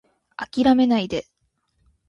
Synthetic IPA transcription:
akʲiɾame̞naid̪e̞

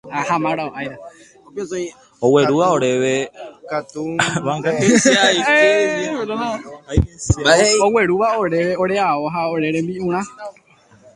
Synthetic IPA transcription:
ahãmãɾaoʔajɾa | oweɾuʋaoɾeʋekat̪uaaai | a | aoweɾuʋaoɾe̞ʋeoɾeaoɦaoɾeɾẽmbiũɾ̃ã

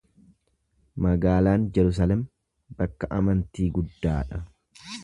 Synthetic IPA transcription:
mɐɡaːlaːnd͡ʒɛɾʊs̬aːlɛm | bɐkːɐʔɐmɐnt̪iːɡʊd̪ːaːᶑɐ

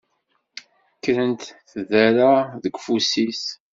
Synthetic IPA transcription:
kːɾənt̪θðæɾaðəɡʷfusis

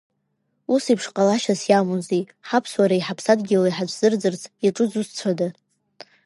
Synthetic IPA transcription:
usipʰʂqʼalaʃasjamunzi | ħapʰswaɾaiħapʰsadɡʲɪlajħad͡ʒʷʰz̥ɨrd͡zɨrt͡sʰjaʈ͡ʂʼɨd͡zust͡ɕʷʰada

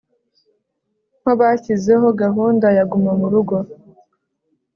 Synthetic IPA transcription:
m̥hoβacize̞ɦo̞ɡaɦuːndajaɡumamuɾuɡo̞

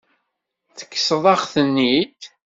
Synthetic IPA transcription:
θə̥kːsðˤɑχθənːid̪

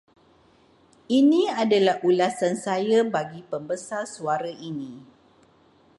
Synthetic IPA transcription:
inĩadalahulasansajabaɡipəmbəsarsuaɾaʔinĩ

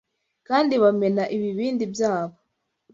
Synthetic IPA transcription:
kaːndiβame̞naʔiβiβiːndibjaːβo

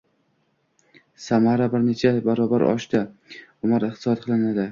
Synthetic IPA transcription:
samaɾabɪɾnet͡ʃʰabaɾɒbaɾʔɒ̰ʃt̪aʊmaɾɨχt̪ʰɨsɒt̪qʰɨlˠɪnad̪ɪ

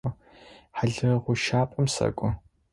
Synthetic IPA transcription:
ħaɮɨʁʷʊʃaːpʼɐmsɐ̰kʷʼʊ

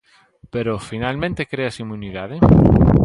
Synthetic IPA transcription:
peɾofinalmẽnt̪ekɾeasimuniðaðɪ

